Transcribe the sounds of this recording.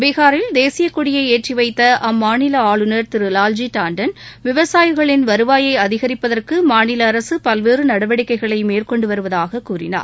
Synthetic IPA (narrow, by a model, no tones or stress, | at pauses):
ʋɪɣaːɾɪld̪eːsɪjɐkːʊɽɪjɐɪeːʈriʋɐɪt̪ːɐʔɐmːaːnɪlɐaːɭɯnɐɾt̪ɪɾɯlaːld͡ʒiʈaːɳɖɐnʋɪʋɐsaːjɣɐɭɪnʋɐɾɯʋaːjɐɪɐðɪɣɐɾɪpːɐðɐrkɯmaːnɪlɐːɾɐsɯpɐlʋeːɾɯnɐɽɐʋɐɽɪkːɐɪɣɐɭɐɪmeːrkɔɳɖɯʋɐɾɯʋɐðaːɣɐkːuːrɪ̰na̰ːɾ